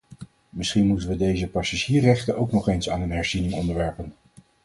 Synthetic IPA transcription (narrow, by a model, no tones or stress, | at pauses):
mɪsχinmutənʋədejzəpɑsaʒiːrɛχtənowknɔχejnsa̰ːnənɦɛɹzinɪŋɔndəɹʋɛɹpən